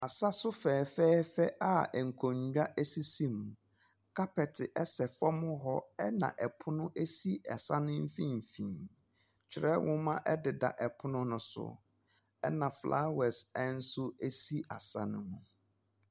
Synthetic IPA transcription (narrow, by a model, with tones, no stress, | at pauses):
a˨sa˦sʊ˦fɛː˨fɛː˦fɛ˦ʔa˦˨ŋ̩˨kʰõ˨ɲᶣ˨a˦ʔæ˦si˦sĩ˦˨m˨ | kʰa˦pɛ˨tʰɪ˨ʔɛ˦sɛ˨fɔ˦mʊ̃˦ɦɔ˦ɛ˦nã̰˨ʔɛ˨pʰʊ˦nʊ̃˦ʔe˦si˦ʔɛ˨sa˦nʊ̃˦m̩˦fĩ˦m̩˨fĩ˨n | t͡ɕʰᶣɪ˨ɾɛ˦wʔʊ̃˦mã˦ʔɛ˦dɪ˨da̰˨ʔɛ˨pʰʊ˦nʊ̃˦nʊ̃˨˦sʊ̰˨ | ɛ̰˦nã˨flʔa̰˦wɛ˨sɛ˦n̩˦sʊ˦e˦si˦ʔa˨sa̰˦nʊ̰̃˦mũ˨